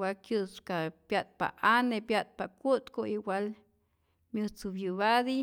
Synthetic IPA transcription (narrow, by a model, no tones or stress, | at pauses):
walkjɨskapjat̪̚pa̰anepjat̪̚pakut̪koiwal | mjɨt͡subjuβad̪i